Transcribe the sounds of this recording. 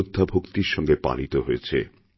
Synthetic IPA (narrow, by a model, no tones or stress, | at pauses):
od̪ʱːabʱokt̪iɾʃɔŋɡepa̰lit̪oɦojet͡ɕʰḛ